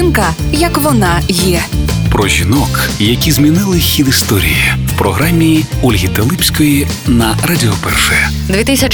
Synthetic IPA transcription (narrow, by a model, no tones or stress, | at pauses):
ɪnkɐ | jɐkʋɔnɑjɛ | pɾɔʒʲinɔk | jɐkʲizmʲinɪlˠɪxʲid̪ist̪ɔɾʲḭjiwpɾɔɦɾamʲːi | ɔlʲɦʲit̪ɛlˠɪpʲsʲkɔji | nɐradʲɪɔpɛ̰rʃɛjɛ | d̪ʋʲit̪ɪsʲɐt͡ʃ